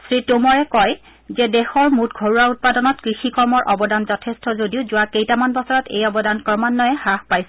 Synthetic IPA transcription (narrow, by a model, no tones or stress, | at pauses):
sɹitomɔɹɛkɔj | zɛdɛxɔɹmutɡʱoɹuaut̚padɔnɔtkɹixikɔɹmɔɹʔɔbɔdanzɔtʰestɔzodiʊzʊwakejtamanbɔsɔɹɔtḛjɔbɔdankɹɔmanːɔjɛhaxpajsɛ